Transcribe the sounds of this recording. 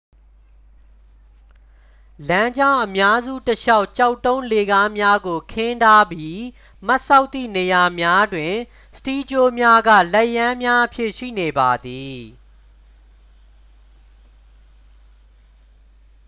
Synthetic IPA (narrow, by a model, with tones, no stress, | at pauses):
lã˦ɲd͡ʑã˦˨ʊ̃ʔəmja˦zṵ˦˨təʃa˦ʊʔt͡ɕa˦ʊtːõ˦ʊ̃le˨ɡa˦mja˦ɡo˨kʰɪ̃˦nta˦bji˦ | ma˦ʔsa˦ʊt̪ːḭ˦˨ne˨ja˨mja˦dwɪ̃˨ | sə̥ti˦d͡ʑo˦mja˦ɡä̰˦˨lɛ˦˨ʔjã˦mja˦ʔəpʰjɪ˦˨ʔʃḭ˦˨ne˨ba˨d̪i˨